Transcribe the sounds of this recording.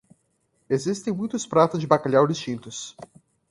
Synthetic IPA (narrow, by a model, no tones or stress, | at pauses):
ezist̪ẽj̃mũj̃t̪ʊspɾat̪ʊzd͡ʒɪbakaʎawlɪst͡ʃĩnt̪ʊs